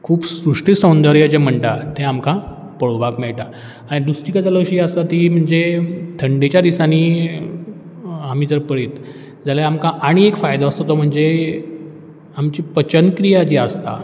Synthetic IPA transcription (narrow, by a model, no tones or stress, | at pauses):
kʰuːbsɾuʂʈisəwnd̪əɾjət͡ɕem̤əɳʈat̪ʰeamkã | pəɭʋakmeɭʈa | aɽ̃id̪usʈikat͡saləɕiəst̪at̪iːm̤əɳd͡zet̪ʰəɳɖet͡ɕjad̪isaniː | am̤it̪əɾpəɭiːt̪ | d͡zaljaamkãʔaɽ̃iekfajd̪aəst̪ot̪om̤əɳd͡ze | amt͡ɕipət͡ɕənkɾijad͡ʑiːəst̪a̰